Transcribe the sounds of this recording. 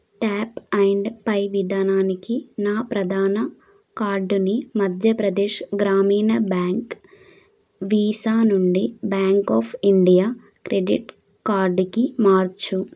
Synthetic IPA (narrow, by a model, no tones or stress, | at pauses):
ʈaːpɐjɳɖpɐjʋid̪ʱaːnaːnikinaːpɾɐd̪ʱaːnɐ | kaːɾɖunimɐd̪ʱjɐpɾɐd̪ɛːʃɡɾaːmiːnɐbaːŋk | ʋiːsaːnuɳɖibaːŋkɔːpʰiɳɖijaː | kɾeɖḭʈ | kaːɾɖkimaːɾt͡ʃu